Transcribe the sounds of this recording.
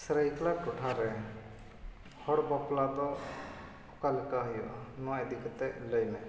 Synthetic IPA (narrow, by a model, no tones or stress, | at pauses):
sɾəjklakɔʈʰaɾɛ | hɔɽbɔplad̪ɔ | ɔkalikaɦujɔʔanɔwaed̪ikɔt̪ɛləjmɛ